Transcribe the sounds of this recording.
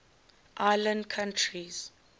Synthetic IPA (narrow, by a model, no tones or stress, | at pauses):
ʔajlə̃ndkʰãntʰɹiz̥